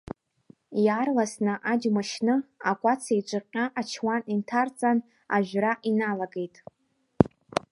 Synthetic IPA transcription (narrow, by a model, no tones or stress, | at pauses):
jarlasnɨʔad͡ʒmaʃnɨakʷʼat͡sʰait͡ʃʷʼɨqʲʼaʔat͡ʃʰwanintʰart͡sʼan | aʒᶣraʔinalaɡe̞jtʼ